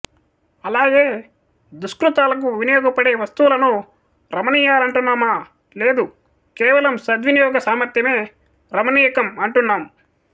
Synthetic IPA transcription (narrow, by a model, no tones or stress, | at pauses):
ɐlaːɡe̞ː | d̪uskɾut̪aːlɐk̬uʋinɐjɔːɡɐpɐɽe̞ːʋɐst̪uwlɐnu | ɾɐmɐniːjaːlɐɳʈunːaːma | le̞ːd̪u | kɛːʋɐlɐmsɐd̪ʋinijɔːɡɐsaːmɐɾt̪jɐme̞ː | ɾɐmɐniːjɐkɐmɐɳʈunːaːm